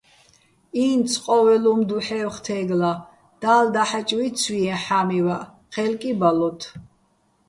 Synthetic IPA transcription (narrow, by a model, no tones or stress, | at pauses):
iːnsʰqʼɔvɛlumd̪uħɛwχt̪ʰɛːɡla | d̪̥aːld̪aħat͡ʃʼwisʰwiɛ̃ħamiwa | χʰɛlkʼibalɔt̪ʰ